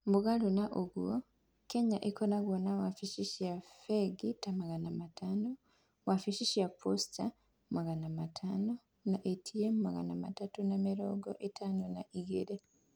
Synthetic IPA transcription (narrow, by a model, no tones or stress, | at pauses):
mbuɡalonaʔoɡwo | keɲaʔekonaɡwonawafiʃiʃijafeɡitamaɣanamatʰaːno | wafiʃiʃijapʰosta | mumaɣanamatʰaːno | naʔetʰijemumaɣa̰namatatunamiɾoɡo̰ʔetʰaːnonaʔiɡḛɾe